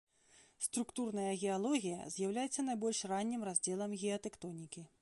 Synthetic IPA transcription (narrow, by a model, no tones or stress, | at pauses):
st̪ɾukt̪urnɐjɐɣʲɛalˠɔɣʲijɐ̰zʲjawlʲajɛt̪sːɐnajbɔlʲʂranʲːimrazʲd͡zʲɛlˠɐmɣʲɛɐt̪ɛkt̪ɔnʲikʲi